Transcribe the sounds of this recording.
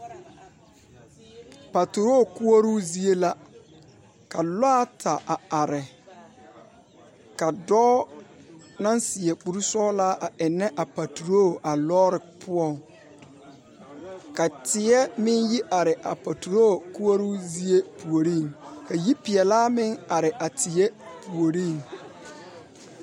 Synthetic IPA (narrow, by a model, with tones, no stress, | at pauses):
pa˨tu˨ɾo˦˨ku˦o˦ɾuː˦zi˦e˦la˦ | ka˨laː˦tʰa˨ʔa˨a˨ɾɪ˨ | ka˨dɔː˦ | nã˦n˦sɪ˨ɛ˨k͡pu˨ɾu˦sɔː˦laː˦ʔa˨ɛ˨nːɛ˦ʔa˨pa˨tu˨ɾo˦˨a˨lɔː˦ɾɪ˨pʰʊ˦ɔ˨ŋ | ka˨tʰɪ˨ɛ˦mɪ̃˦nji˦ʔa˨ɾɪ˨ʔa˨pa˨tʰu˨ɾo˦˨ku˦a˦ɾu˦zi˦e˦pʰu˨o˨ɾĩ˦˨ŋka˨ji˦pɪ˨ɛ˨laː˦mɪ̃˦ŋa˨ɾɪ˨ʔa˨tʰɪ˨ɛ˦pʰu˨o˨ɾĩ˦˨ŋ